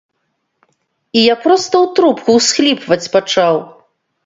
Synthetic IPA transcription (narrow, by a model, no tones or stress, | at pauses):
ijapɾɔst̪ɐwt̪ɾupkuwsxlʲipvɐt͡sʲpat͡ʂaw